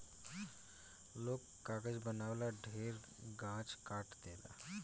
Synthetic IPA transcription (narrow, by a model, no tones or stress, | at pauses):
lokːaɡəd͡ʑbənaʋlaɖʱeɾ | ɡãt͡ʃkaʈd̪ela̰